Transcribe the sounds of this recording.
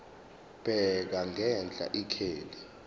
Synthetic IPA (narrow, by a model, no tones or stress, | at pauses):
b̥ʱɛk̬aŋɛnd͡ɮʱʼa̰ʔikʰeːli